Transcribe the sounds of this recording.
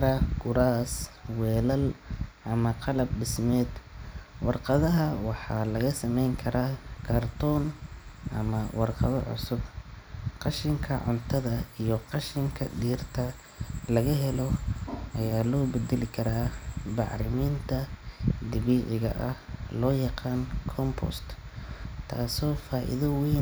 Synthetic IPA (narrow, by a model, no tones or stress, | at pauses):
ɾɐɡʊɾaːswɛːlɐlʔɐmɐqɑlɐb̚ɖɪsmɛːd̪wɑrqɑðɐɦɐwɑħɑːlɐɣɐsɐmɛjŋkʰɐɾaːkʰɐrt̪ʰɔːnʔɐ̰mɐwɑrqɑ̰ðɐʕʊ̰sʊb | qɑʃɪŋkʰɐ̰ʕʊ̰nt̪ʰɐðɐijɔqɑʃɪŋkʰɐɖiːrt̪ʰɐ | lɐɣɐɦɛlɔʔɐjaːlɔːbɛd̪ɛlɪkʰɐɾaːbɑʕɾɪmiːnt̪ʰɐd̪ɪβiːʕɪɣɐ̰ʔɐhlɔːjɑqɑːnkʰɔmpʰɔ̰st̪ | t̪ʰa̰ːsɔːfaːʔɪ̰ðɐwiːn